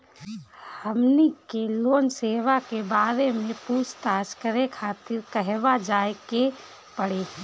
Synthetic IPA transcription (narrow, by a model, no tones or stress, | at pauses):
hhəmnikeloːnseːʋakebaːɾemẽpuːt͡ʃt̪aːskəɾekʰaːt̪ɪɾkəɦʋad͡ʒaːeke | pəɽe